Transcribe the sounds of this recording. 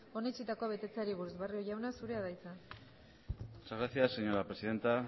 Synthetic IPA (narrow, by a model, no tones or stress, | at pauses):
o̞net͡ʃit̪akoβe̞t̪e̞t͡saɾiβuɾuzβario̞ʝawnasuɾe̞aðajt͡sa | saɣaθiaseɲoɾapɾesiðe̞nt̪a